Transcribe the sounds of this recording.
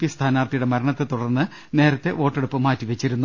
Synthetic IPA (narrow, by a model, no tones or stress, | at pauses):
pist̪ʰaːnaːrt̪ʰijuɽe̞mɐɾɐɳɐt̪ːet̪uɽɐrnːɨ | ne̞ːɾɐt̪ːe̞ʔo̞ːʈːeɽupːɨmaːtːiʋet͡ɕːiɾunːu